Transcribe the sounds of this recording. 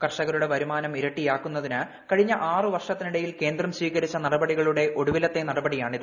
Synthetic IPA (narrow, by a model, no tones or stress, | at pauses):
kɐrʂɐɣɐɾuɽe̞ʋɐɾumaːnɐmiɾɐʈːijaːkːunːɐðinɨ | kɐɻiɲːɐʔaːrɨʋɐrʂɐt̪ːiniɽɐjilke̞ːnd̪rɐmsʋiːɣɐɾit͡ɕːɐnɐɽɐbɐɽiɣɐɭuɽe̞ʔo̞ɽuʋilɐt̪ːe̞nɐɽɐbɐɽijaːɳiðɨ